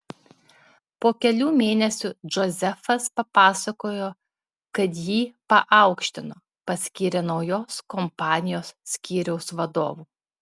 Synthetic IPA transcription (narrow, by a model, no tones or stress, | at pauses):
poːkʲɛlʲuːmʲeːnʲɛsʲud͡ʒɔzʲɛfɐspɐpɑːsɐkoːjoː | kɐt̪jiːpɐʔɑˑʊkʃʲt̪ʲɪnoː | pɐsʲkʲiːɾʲɛnɐʊjoːskɔmpɑːnʲɪjoːsːʲkʲiːɾʲɛʊsʋɐd̪o̰ːʋuː